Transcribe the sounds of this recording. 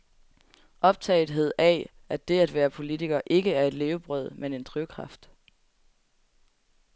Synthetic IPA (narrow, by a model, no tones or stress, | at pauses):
ʔɒ̽b̥̚t͡sʰɛ̰ɪð̩ˠɦe̝ð̞̰ˠæ | æd̥e̝æd̥ʋæːɐpʰo̝lit͡sʰiɡ̥ɐʔe̝ɡ̥əæɐe̝d̥le̝ːʊb̥ʁœð̞̰ˠmene̝nd̥ʰʁyʊkʰʁɑ̈fd̥